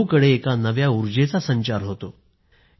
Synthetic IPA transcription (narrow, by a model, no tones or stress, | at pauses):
kəɽeːkanəʋjauɾd͡ʑet͡sasəɲt͡ɕaɾɦot̪o